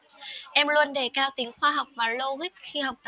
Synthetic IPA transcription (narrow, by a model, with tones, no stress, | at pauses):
ʔɛ˧mlu˧ə˧nɗe˧˩kaː˧wt̪i˨˦əŋxwaː˧ɦa˨˩wk͡p̚vaː˨˩lo˧ɣi˦˥k̚xi˧ha˨˩wk͡p̚t̪